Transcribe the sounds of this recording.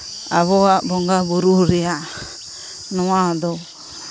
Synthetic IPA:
aβɔabɔŋɡabuɾuɾia | nɔwad̪ɔ

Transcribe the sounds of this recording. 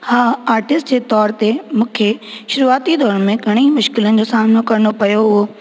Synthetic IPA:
haːaːɾʈɪsʈd͡ʑeːt̪ɔːɾt̪emũːkʰeʃʊɾuaːt̪id̪ɔːɾənmẽɡʱɐɽ̃imʊʃkɪlənɪ̆d͡ʑoːsaːmnokɐɾənopɐjoɦʊɦo

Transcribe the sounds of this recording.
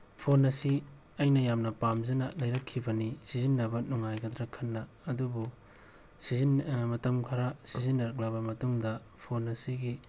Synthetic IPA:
pʰonɐsi | ɐjnɐjamnɐpamzɐnɐ̰lɐjɾɐkʰːibɐnisizinːɐbɐnuŋajɡɐdɾɐkʰɐnːɐːdubu | sizinmɐtɐmkʰɐɾɐsizinːɐɾɐk̚labɐmɐtuŋdɐ | pʰonɐsiɡi

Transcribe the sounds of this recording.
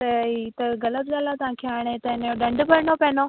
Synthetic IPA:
t̪ɐit̪ɐɣɐlət̪ɠaːlãt̪ɐʋãːkʰeaːɽ̃et̪ɐɪnjoɗɐ̃ɳɖbɐɾɪɳopɐɦɪnoː

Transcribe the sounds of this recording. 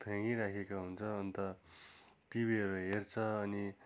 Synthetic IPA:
pʰjãŋiɾakʰekaɦunt͡sʰʌːnt̪ʌ | ʈibiɦʌɾuɦert͡sʰʌːni

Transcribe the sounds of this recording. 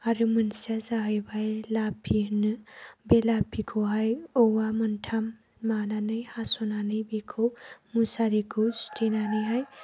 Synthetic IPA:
aɾɯmɯnsiazaɦɯjbajlapʰinɯbelapʰikʰoɦajowwamɯntʰamː | ananɯjhasonanɯjbikʰomusaɾikʰostʰenanɯjɦaj

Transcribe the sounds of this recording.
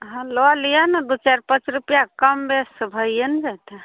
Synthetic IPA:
ɦãloalijanəd̪ut͡ʃaɾpət͡ʃɾupjakəmbesəbʱəjjənd͡ʒat̪e

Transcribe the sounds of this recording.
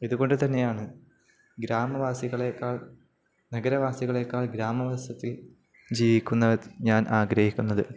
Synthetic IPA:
iðuɣo̞ɳɖɨt̪ɐnːe̞jaːɳɨ | ɡɾaːmɐʋaːsiɣɐɭekːaːɭ | nɐɡɐɾɐʋaːsiɣɐɭe̞kːaːɭɡɾaːmɐʋɐsɐt̪ːil | d͡ʑiːʋikʲːunːɐɲaːnʔaːɡɾɐhikʲːunːɐðɨ

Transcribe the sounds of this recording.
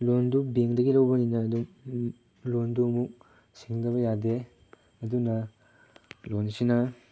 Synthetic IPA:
londubeŋdɐɡilɐwbɐninɐːdum | londuɐmuk̚ | siŋdɐbɐjade | ɐdunɐ | lonsinɐ

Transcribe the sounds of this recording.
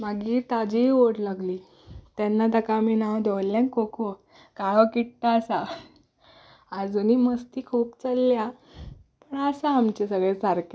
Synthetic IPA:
maɡiːt̪ad͡ʑioɽlaɡliː | t̪janːat̪akamiːnawd̪ʱeʋlːjãnkokʰo | kaɭɔkiʈʈ̪aəsa | d͡zuniːməst̪iːkʰuːpt͡səlːja | pəɳəsaamt͡ɕesəɡɭet͡saɾke

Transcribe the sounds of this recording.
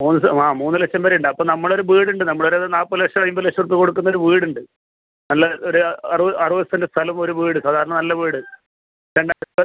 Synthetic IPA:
muːnːɨsaːmuːnːɨlekɕɐmbɐɾiuɳɖɨɐpːɐmnɐmːɐɭo̞ɾuʋiːɽuɳɖɨnɐmːɐɭoɾeðnaːpːɐlekɕɐɭɐjimbɐlekʂɐrp̬ːiko̞ɽukːunːoɾuʋiːɽuɳɖɨ | nɐlːɐoɾuɐrʋɐʔɐrɨʋɐst̪indest̪ʰɐlɐmo̞ɾuʋiːɽɨsaːd̪ʱaːɾɐɳɐnɐlːɐʋiːɽɨ | ɾeɳɖaːɐ

